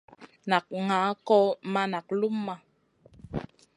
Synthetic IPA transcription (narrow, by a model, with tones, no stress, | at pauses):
na˨k̚ŋa˨˦kɔ˦ma˦na˨k̚lu˦mːa˦